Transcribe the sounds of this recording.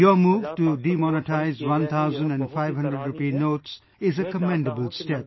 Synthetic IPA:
jɔmuːʋʈuɖimɔnəʈaɪzʋʌ̃nt̪ʰaʊzə̃nɖɛ̃nɖfaɪʋɦʌ̃nɖɾəɖɾupiːnoːʈs | ɪzəkəmɛ̃ɳɖəbəlsʈep̚

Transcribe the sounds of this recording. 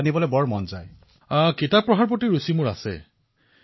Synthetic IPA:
nibɔlɔbɔɹmɔnzaj | aketapɹɔɦaɹpɔtiɹusimuɹa̰sɛ̰

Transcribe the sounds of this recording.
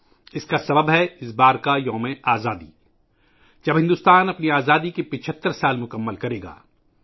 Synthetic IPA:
ɪskasɐbəbɦɛɪsbaːɾkajɔ̃ːmẽʔaːzaːd̪ḭː | d͡ʒɐbɦɪ̃nd̪uʊːst̪aːnɐpniaːzaːd̪ikepɪt͡ʃʰət̪ːəɾsaːlmʊkəmːəlkɐɾeːɡa̰ː

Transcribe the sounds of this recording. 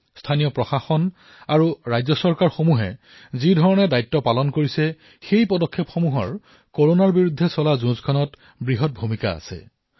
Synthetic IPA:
stʰanijɔpɹɔxaxɔn | aɹuɹajzɔsɔɹkaɹxomuɦɛ̰ | zidʱɔɹɔnɛdajtːɔpalɔnkoɹisɛ | xejpɔdɔkʰːepxomuɦɔ̰ɹ | koɹonaɹbiɹudʱːɛsɔlazũzkʰɔnɔt | bɹiɦɔt̚bʱumika̰a̰sɛ̰

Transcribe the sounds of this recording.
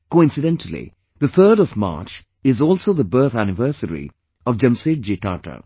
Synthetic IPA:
koːɪ̃nsɪɖɛ̃nʈʰəl̩ḭ | d̪ət̪ʰəːɖɔvma̰ːɾt͡ʃ | ɪzɔːlˠsoːðəbɜːt̪ʰænɪvəɾsəɾḭ | ɔʋd͡ʒʌ̃mseːʈ̚d͡ʒeʈaːʈə̰

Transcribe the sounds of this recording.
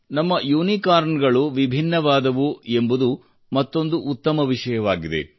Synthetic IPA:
nɐmːɐjuːnikaːɾɳɡɐɭuʋibʱinːɐʋaːd̪ɐʋue̞mbud̪u | mɐt̪ːo̞nd̪uʔːt̪ːɐmɐʋiʂɐjɐʋaːɡid̪e̞̰

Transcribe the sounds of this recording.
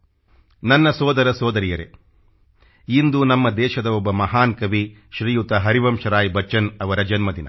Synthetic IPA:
nɐnːɐsɔːd̪ɐɾɐsɔːd̪ɐɾijɐɾe | ind̪unɐmːɐd̪ɛːʃɐd̪ɐɔbːɐmɐɦaːnkɐʋi | ʃɾijut̪ɐɦɐɾiʋɐmʃɐɾaːjbɐt͡ʃːɐnɐʋɐɾɐd͡ʒɐnmɐd̪inɐ̰

